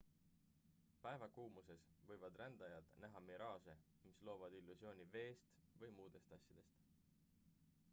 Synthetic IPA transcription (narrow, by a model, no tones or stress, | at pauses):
pæe̞vɑkuːmuse̞svɤ̞jvɑd̪rænd̪̥ɑjɑd̪̥næɦɑmeɾɑːse̞ | mislo̞ːvɑd̪̥ilːusjo̞ːnʲive̞ːst̪vɤjmuːd̪̥e̞st̪ɑsʲjɑd̪̥e̞st̪